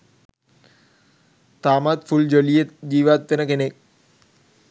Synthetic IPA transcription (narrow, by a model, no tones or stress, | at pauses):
t̪aːmaːt̪fuld͡ʑolijed͡ʑiːʋaːt̪ːenɐkenek̚